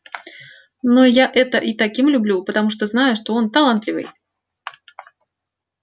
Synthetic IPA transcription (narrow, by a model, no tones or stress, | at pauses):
nojaʔɛt̪əʔit̪ɐkʲimlʲʊblʲupət̪ɐmuʂt̪oznajʊʂt̪o̞o̞nt̪ɐlˠant̪lʲɪvɨ̰j